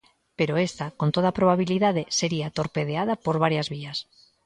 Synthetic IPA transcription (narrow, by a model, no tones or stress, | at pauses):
peɾoest̪akont̪oð̞apɾoβaβ̞iliðaðeseɾiat̪oɾpeð̞eaðapoɾβaɾjazβias